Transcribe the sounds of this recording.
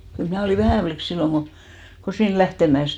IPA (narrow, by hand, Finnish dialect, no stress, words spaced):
kyl mnæˑ oliˑ ʋæhæˑ flik silːoŋ ɡ̊o ko siːn læhteˑmæeˑs